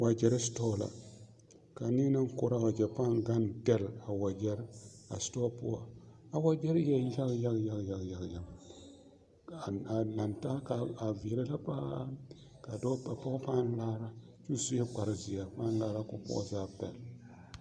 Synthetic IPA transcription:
wa˨d͡ʒɛ˨ɾa˦stɔ˦˨la̰˨ | ka˨ni˦ŋ˦nɨ˦ŋ˦ko˦ɾa˨wa˨d͡ʒɛ˨pa˦˨nɡa˦nda˦la˨wa˨d͡ʒɛ˦ɾa̰˨sto˦po̰˦a˨a˨wa˦d͡ʒɛ˦ɾjɛ˦ja˦ɡja˦ɡja˦ɡja˨ɡja˨ɡja˨ɡ | a˨la˨nta˦ka˨a˨vi˨ɾa˦la˦pa˦ | ka˨dɔ˦pa˨pa˦pa˦n˦laː˦ɾa˦ | t͡ʃu˦su˦jɛ˦k͡pa˨ɾzi˨ja˨pa˦n˦laː˦ɾa˦ko˦pɔ̰˦˨zaː˦˨bta̰˨l

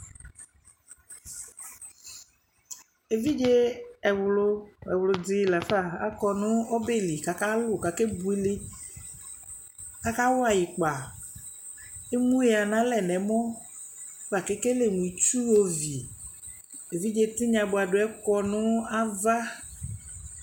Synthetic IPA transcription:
e˨vi˦d͡ʒe˦ɛ˨wlo˦ɛ˨wlo˨d͡zi˨la˨fa˦˨a̰˨kɔ˨nũ˦o˦be˦li˨ka˨ka˦lo˦˨ka˨ke˦bu˦i˦li˦ | ka˦ka˦wo˦a˨ji˨k͡pa˨ | e˦mũ˦e˨a˨nã˦lɛ˨nɛ̃˨mɔ̃˦ | va˨ke˦ke˦le˨mũ˨i˨t͡ʃu˦wo˦vi˨ | e˨vi˦d͡ʒe˦t̪i˦ɲã˨bo˨a˨ɖo˨˦ɛ˦kɔ˦nũ˦a˦va˦

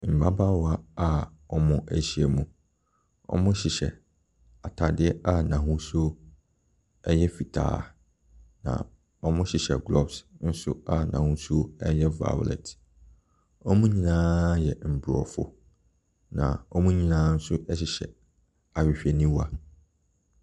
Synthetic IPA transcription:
m̩˨ba˦ba˦wɔ˨a˦a˦˨ɔ˦mʊ̃˦ʔæ˨ɕi˦e˨mũ˨ | ɔ̰˦mʊ̃˦ɕɪ˨ɕɛ̰˨ | a˨tʰa˨dɪ˦ɛ˦a˦nã˨ɦʊ̃˦su˦o˦ | ɛ˦jɛ˦fi˨tʰa̰ː˦ | nã̰˨ | ɔ˦mʊ̃˦ɕɪ˨ɕɛ˨ɡlɔ˦bsn̩˦sʊ̰˦a˨nã̰˨hʊ̃˦su˦o˦ɛ˦jɛ˦va̰˨˦˨lɛ̰˨tʰ | ɔ˦mũ˦ɲĩ˦nãː˦jɛ˨m̩˨bɾɔ̰˨fʊ̰˦ | nã̰˨ɔ˦mũ˦ɲĩ˦nã˦n̩˦sʊ˦ɛ˦ɕɪ˨ɕɛ̰˨ | a˨ɥɪ˨ɕᶣɛ˨nĩ˦wa˨

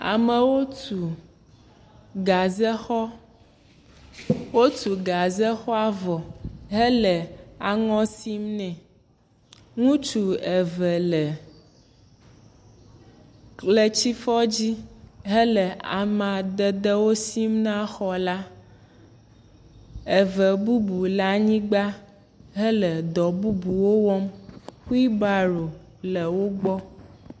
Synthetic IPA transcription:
a̰˨mə̃˨wo˦tu˨ | ɡa˨zɛ˦xɔ˦ | wo˦t̪u˨ɡa˨zɛ˦xɔ˦a˦vɔ˨ɦɛ˦lɛ˨a˨ŋɔ̃˦si˦mnɛ̃˨ | ŋũ˦t͡ʃu˨ɛ˨vɛ˨lɛ˨ | lə˨t͡ɕi˦fɔ˦d͡ʑi˦ɦə˦lə˨a˨mã˨d̪ə˨d̪ə˦wo˦si˦mnã˦xɔ˨la˦ | e˨və˨bu˦bu˨la˦ɲĩ˦ɡ͡ba˦ | ɦə˦lə˨d̪ɔ˨bu˦bu˨wo˦wɔ˦mxu˦i˦ba˨ɾo˨ | lə˨wo˦ɡ͡bɔ˦

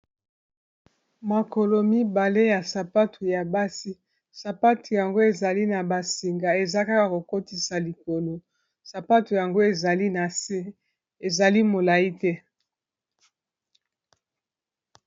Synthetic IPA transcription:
ma˨ko˨lo˨mi˦ba˨le˦ja˨sa˨pa˦tʰu˨ja˨ba˦si˦ | sa˨pa˦tu˨ja˨ŋɡo˦e˨za˨li˦na˨ba˨si˨ŋɡa˨e˨za˦ka˦ka˨ko˨ko˦ti˨sa˨li˨ko˨lo˨ | sa˨pa˦tu˨ja˨ŋɡo˦e˨za˨li˦na˨se˦ | e˨za˨li˦mo˨la˨i˦tɛ˦

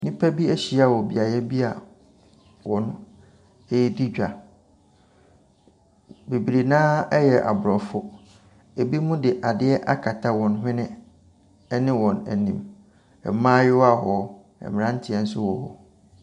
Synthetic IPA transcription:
nĩ˦pʰæ˦bi˦æ˦ɕi˦a˨wɔ˨bi˨a˨jɛ˦bi˦a˨ | wɔ̃˨nʊ̃˦ | ɛ˦di˦d͡ʑᶣa˨ | be˨bi˨ɾe˨nãː˦ɛ˦jɛ˨ʔa̰˨bʊ˨ɾɔ˨fʊ˦ | e˨bi˦mũ˦dɪ˨ʔa˨dɪ˦ɛ˦ʔa˦kʰa˨tʰa˦wɔ̃˨n˦ɦɪ̃˦nɪ̃˦ | nɪ̃˦wɔ̃˨næ̰˨nĩ˨m | ɛ̰˨mãː˦jɪ˦wa˦˨ɦɔ˨ | ɛ̰˨mɪ̃˨ã˦n̩˦tʰɪ˨ɛ˨n̩˦sʊ˦wɔ˨hɔ̰˨

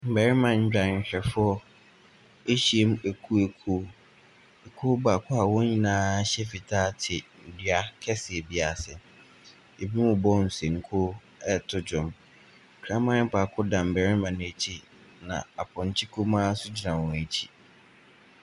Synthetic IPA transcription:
m̩˨bɛ˨ɾɪ˦mã˨ɲ̩˦d͡ʑᶣã˨ɲ̩˨ɕᶣɛ˨fʊ˦ɔ˦ | e˦ɕi˨e˦m˦æ˨kʰu˦e˨kʰu˦ | ɛ˨kʰu˦ba˨kʰʊ˦a˨wɔ̃˦ɲĩ˨nãː˦ɕɛ˦fi˨tʰaː˦tʰɪ˨dɥa˦kʰɛ˦sɪ˨ɛ˨bi˦a˨sɪ˨ | e˨bi˦mʊ̃˨bɔ˦n̩˨sẽ˨ŋ̩˦kʰo˦ | ɛ˦tʰʊ˦d͡ʑʊ̃˨m˨ | kʰɾã˦mã˦ɪ˦pʰa˨kʰʊ˦dã˨m̩˨bɛ˨ɾɪ˦mã˨nʊ̃˨æ˨t͡ɕʰi˦ | nã̰˨a˨pʰʊ̃˨ɲ˨t͡ɕʰi˦kʰu˦mãː˦sʊ˦d͡ʑi˨ɾã˨wɔ̃˨æ˨t͡ɕʰi̥˦

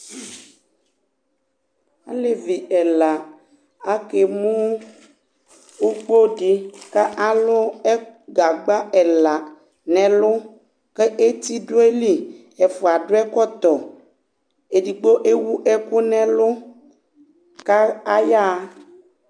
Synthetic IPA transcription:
a̰˦le˦vi˨ɛ˨la˨ | a˦ke˨mũ˦ | u˦k͡po˦ɖi˦ka˦ʔa˨lʊ˦ɛ˦ɡa˨ɡ͡ba˦ɛ˨la˨ | nɛ̃˨lʊ˦ | ke˦ʔe˦t̪i˦ɖʊ˦e˦li˦ | ɛ˨fo˨a˨ɖʊ˦ɛ˦kɔ˦t̪ɔ˨ | e˨di˨ɡ͡bo˦ʔe˦wu˦ʔɛ˦kʊ˦nɛ̃˨lʊ˦ | ka˦a˦ja˦

